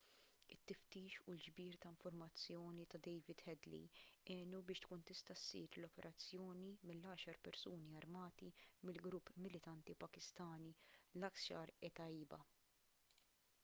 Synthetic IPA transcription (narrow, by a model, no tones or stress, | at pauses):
ɪt̪ːɪft̪iːʃuld͡ʒbiːɾt̪ɐɪɱfʊɾmɐt͡sːjɔːnit̪ɐd̪ɛjvɪd̪hɛd̪lḭɛːnubɪːʃt̪kuːnt̪ɪst̪ɐsːḭːɾlɔpɛɾʔɐt͡sːjɔːnimɪlːɐːʃɐɾpɛɾsuːniɐɾmɐːt̪imɪlɡɾʊpːmɪlɪt̪ɐnt̪ipɐkɪst̪ɐːnilɐksɐɾɛt̪ɐiːbɐ̰